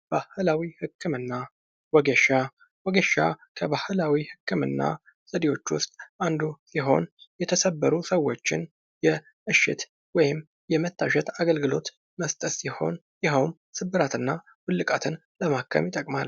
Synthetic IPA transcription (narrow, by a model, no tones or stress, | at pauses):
b̥ahɨlawihɨkːɨmɨnːa | wɔɡəʃa | wɔɡəʃa̰kʰəβahɨlawihɨkʰːɨmɨ̰nːa̰ | sʼəd̪iwo̞t͡ʃːwʊst̪ʼand̪usiɦo̞̰njɛt̪ʰəsəbːəɾusəwːo̞t͡ʃːɪn | jɛ | ʔɨʃːɪ̰t̪ | wɔjɪm | jɛmət̪ːaʃɛt̪aɡəlɡɨlo̞t̪ | məst̪ʼət̪siho̞̰n | jɪɦəwm | sɨbːɨɾat̪ɨnːa | wʊlːɨkʼat̪ʰɨn | ləmakʰːə̰mjɪt̪ʼəkʼmal